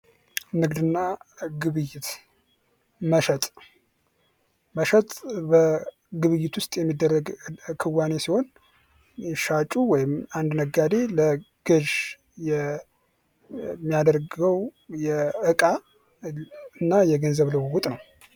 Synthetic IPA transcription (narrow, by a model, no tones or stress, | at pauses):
nɨɡd̪ɨnːaɡɨβɨjːɪt̪ | məʃət̪ʼ | məʃət̪ʼbə | ɡɨβɨjːɪt̪ʰwʊst̪ʼjɛmːid̪ːərːəɡkʰɨwːane̞siho̞n | ɛʃat͡ʃʼuwɔjɪmand̪nəɡːad̪e̞lə | ɡ̥ɨʒ | jɛ | mːijad̪əɾɡəwjɛɨkʼa | ɨnːajɛɡənzəβləwwʊt̪ʼnəw